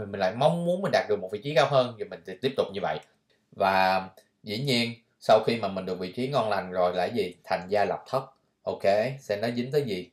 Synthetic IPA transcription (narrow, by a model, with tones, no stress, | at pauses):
i˨˩mï˨˩ŋla̰ː˧˨jma˨˦wŋ͡mmːu˨˦ənmï˨˩ŋ̟ɗaː˨˩t̚ɗɨ˨˩k̚o˨˩vḭ˧˨˥t͡ɕi˨˦ɣaː˨˦wɦəː˧nzi˨˩mï˨˩ŋ̟t̪t̪i˦˥əp̚t̪ʊ˨˩k͡p̚ɲɨ˧və̰˧˨j | vaː˨˩ | zḭ˧˥ɲi˧ən | sa˧wxi˧maː˨˩mï˨˩ŋ̟ɗɨ˨˩ək̚vḭ˧˨t͡ɕi˨˦ŋɔ˧nla˨˩jŋ̟zo˨˩jla̰ː˧˥jzi˨˩t̪ʰa˨˩jŋ̟zaː˧la˨˩p̚t̪ʰə˦˥t̚ | ʔo˧ke˧˦sɛ̰˧˥nɔ˨˦jzï˨˦ŋ̟t̪əː˨˦jzi˨˩